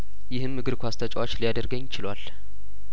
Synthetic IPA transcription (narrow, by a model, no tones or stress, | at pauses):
jɪhɨmːɨɡɨɾkʷʰast̪ʰət͡ʃʼawat͡ʃːlijad̪əɾɡəɲːɪt͡ʃʰɪlwal